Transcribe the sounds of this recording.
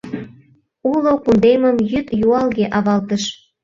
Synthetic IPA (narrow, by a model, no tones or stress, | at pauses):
ulokund̪eməmjyt̪juɑlɣeʔɑβɑlt̪əʃ